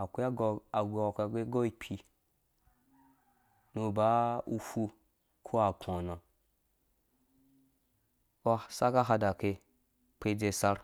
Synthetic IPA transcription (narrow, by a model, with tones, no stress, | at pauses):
a˨kʷe˦˧a˨ɡe˧wa˨kʷɡe˦ɡo˦i˦pʰi˧ | no˧˨ba˦u˧fu˧ | kʰo˦a˨kʰo˨nã˨ | o˦sa˦ka˦ɦa˧da˨ke˧ | k͡pe˧d͡ze˧sa˧ɾ